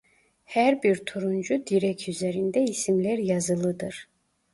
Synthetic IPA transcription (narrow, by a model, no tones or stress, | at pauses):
hæɾbiɾt̪ʰuɾund͡ʒud̪iɾɛkʰyzeɾind̪ɛisimlæɾjɑzɯlˠɯd̪ɯɾ̥